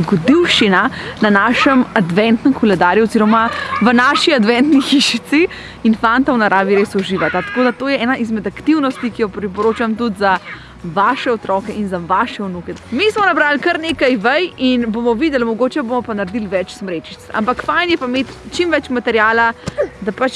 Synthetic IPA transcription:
ɡɔd̪iwʃinananaːʃɛmad̪ʋɛnt̪nəmkɔlɛd̪aːɾjuɔziɾɔmaʋənaːʃiad̪ʋɛ̃nt̪nixiʃit̪si | infant̪awnaɾʔaːʋiɾesɔʒiʋat̪at̪ḁkoːd̪at̪oːjɛɛːnaʔizmɛd̪akt̪iwnɔst̪ikijɔpɾipɔɾoːt͡ʃamt̪ut̪za | ʋaːʃɛɔt̪ɾɔkɛʔinzaʋaʃɛunukɛmismɔnabɾaːlkəɾneːkajʋəjinbomɔʋid̪ɛlmɔɡoːt͡ʃɛbomɔpanaɾd̪ilʋɛt͡ʃsmɾeːt͡ʃi̥t̪sa̰mpakfajnjɛpameːt̪t͡ʃimʋɛt͡ʃmat̪ɛɾjaːlad̪apat͡ʃ

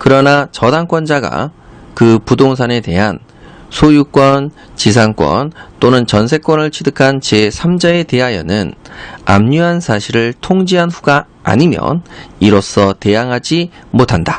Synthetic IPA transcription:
kɯɾʌnat͡ɕʌdaŋk͈wʌnd͡ʑaɡa̰kɯpudoŋsʰane̞te̞̰ɦan | sʰojuk͈wʌn | t͡ɕis̬ʰaŋk͈wʌ̰nt͈onɯnt͡ɕʌnsʰe̞k͈wʌnɯɭt͡ɕʰidɯkʰant͡ɕe̞sʰamd͡ʑae̞te̞ɦajʌ̰nɯna̰mɲuɦansʰaɕʰiɾɯɭtʰoŋd͡ʑiɦanɸuɡa | a̰ɲimjʌ̰niɾos͈ʌte̞jaŋɦad͡ʑimotʰanda

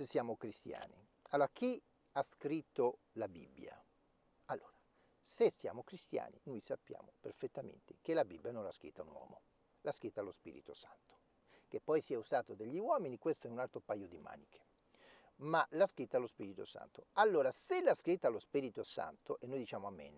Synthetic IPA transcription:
sesːjaːmokɾist̪ja̰ːni | alːoːɾakʰi | askɾit̪ːo | labḭbːja̰ | alːoːɾa | sesːja̰ːmokɾist̪ja̰ːnḭnojsapːja̰ːmoperfet̪ːamḛnt̪ekelabibːjanõnlaskɾḭt̪ːaunwɔ̰ːmo̰ | laskɾit̪ːalospḭːɾḭt̪osa̰nt̪o̥ | kepːɔjsiɛuzaːt̪od̪eʎːiwɔːminikwest̪oɛunalt̪ɾopajːod̪ima̰ːnikʰe̥ | malaskɾit̪ːalospiɾit̪o̰sa̰nt̪oalːoːɾaselːaskɾit̪ːalospiɾit̪osa̰nt̪oʔenːojd̪it͡ʃaːmoamːḛn

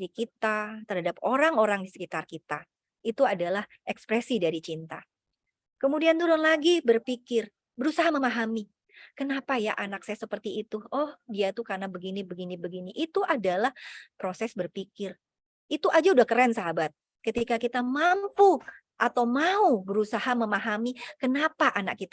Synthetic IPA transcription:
dikit̪at̪ərɦadapoɾaŋoɾaŋdisə̥kit̪arkit̪a | it̪uadalah | ɛkspɾɛsidaɾit͡ʃint̪a | kəmudiant̪udɔnlaɡibərpikɪr | bəɾusaɦaməmaɦami | kənapaja̰ʔanaksajasəpərt̪iːt̪uɔhdiat̪ukarnabəɡinibəɡinibəɡiniʔit̪uʔadalahpɾosɛsbərpikɪr | it̪uʔad͡ʒaudahkəɾɛnsaɦabat̪̚ | kət̪ikakit̪amampu | ʔat̪awmaubəɾusahaməmaɦamikənapaʔana̰kːit̪a

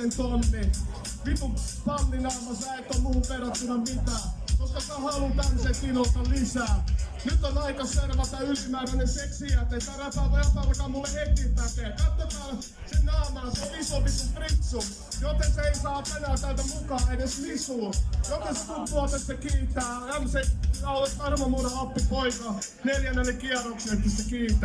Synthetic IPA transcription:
ent̪onːi | ʋit̪upɑlːinɑːmɑsɑek̪ːomuːperɑt̪ːunɑmit̪æːkoskɑt̪ɑhɑlut̪ænsekinot̪ːɑlisæː | nyt̪ːonɑikɑserʋɑt̪æylimæːɾænenseksiæt̪ːeit̪æræp̪ɑtojɑpɑlkɑːmulːehet̪kimp̪æt̪eækɑt̪ːomɑː | sennæːmæːseolisoʋisumprit̪su | jot̪enseeisɑːpenæːt̪ælt̪æmukɑːeneslisoːjot̪eset̪unt̪ːuɑt̪æssekiːt̪ːæːæmsenæolet̪ʋɑrmɑnuɾeɑpːipoikɑ | neljænːelːekiɑroksiest̪ːissekiːt̪ːæː

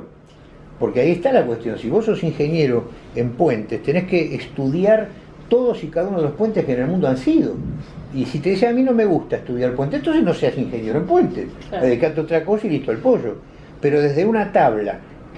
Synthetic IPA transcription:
po̞ɾkeaiest̪alakwe̞st̪jõ̞nsiβo̞sːosiŋxe̞njeɾoempwe̞nt̪est̪e̞neskeʔːst̪uðjaɾ | t̪oðosikaðaunoðelo̞hpwe̞nt̪ehkenelmũnd̪oansiðo̞̰isit̪e̞ðis̬eamĩno̞meɣust̪aest̪uðjaɾpwent̪ent̪o̞nsehno̞seasiŋxenjeɾoempwe̞nt̪ḛsaðeeikat̪eot̪ɾako̞sailiht̪oalpoʒo̞̰ | peɾo̞ðezðeunat̪aβ̞la̰

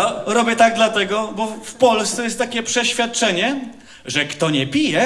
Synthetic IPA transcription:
ɾɔbʲjɛt̪aɡ̚d̪lat̪ɛɡɔbɔfpɔlst̪sɛjɛst̪ːakʲɛpʂɛɕfʲjat̪̚t͡ʂɛɲɛ | ʐɛkt̪ɔɲɛpʲijɛ

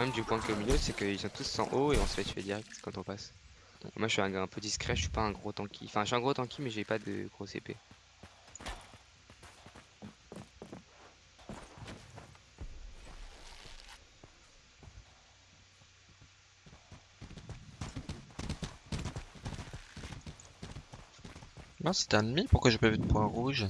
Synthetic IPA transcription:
mɛmd̪ypwɛ̃kominosɛkəilsɔ̃t̪usːɑ̰̃ʔoeɔ̃səfɛt̪fɛ̰d̪iʁɛk̪̚kɑ̃t̪ɔ̃pas | mwaʒəʃɥiɛ̃ɡaɛ̃pød̪iskχɛəʃɥi̥paɛ̃ɡʁot̪ɑ̃kʲʰḭ̃fɛ̃ʃɥyɛ̃ɡʁot̪ɑ̃kʲimɛʒepad̪ə̰ɡʁosḛpḛ | mɛ̃sɛ̥t̪ɛ̃nmipuʁkwaʒepavyd̪əpwɛ̃ʁuʒ

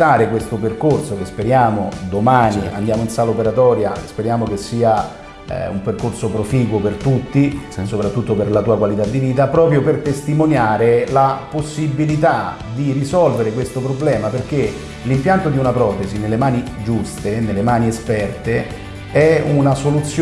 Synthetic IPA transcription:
aːɾekwest̪operkorsokespeɾjaːmod̪omaːnia̰nd̪jaːmoinsaːlaopeɾat̪ɔːɾjaspeɾjaːmok̟esːiːa̰ | ṵmperkorsopɾofiːkwopert̪ut̪ːisopɾat̪ːut̪ːoperlat̪uːakwalit̪ad̪ːiviːt̪apɾɔːpɾjopert̪est̪imonjaːɾelaposːibilit̪a | d̪irisɔlveɾekwest̪opɾoblɛːmaperk̟e | limpjant̪od̪iunapɾɔːt̪ezinelːemaːnid͡ʒust̪enelːemaːniespɛrt̪e | ɛunasolut̪sːj

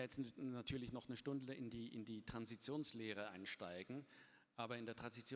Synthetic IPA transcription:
jɛt͡snatʰyːɐlɪçnɔχnəʃtʊndəʔɪndiːʔɪ̰ndiːtʁ̥anzit͡sjoːnsleːʁ̞əʔaɪnʃtaɪɡŋ̩ | ʔaːbɐɪndeːɐtʁ̥anzit͡sj

